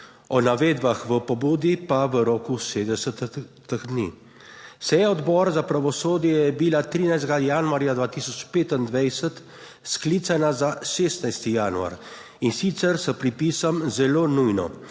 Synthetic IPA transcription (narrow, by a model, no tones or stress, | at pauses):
ɔnaʋeːd̪baxʋəpɔbuːd̪ipaʋəɾɔːkuseːd̪əsət̪əxd̪nḭ | sɛjaɔd̪bɔːɾazapɾaʋɔsoːd̪jɛjɛbilat̪ɾiːnajzt̪ɡajanuaɾjad̪ʋaːt̪iːsɔt͡ʃpeːt̪ind̪ʋɛjsət̪ | sklit̪sanazaʃeːst̪najst̪ijaːnua̰ɾ | insit̪sɛɾsəpɾipiːsɔmzɛloːnujnɔ̰